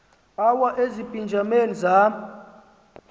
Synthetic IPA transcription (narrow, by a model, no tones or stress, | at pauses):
awaʔezipʼind͡ʒʱameniza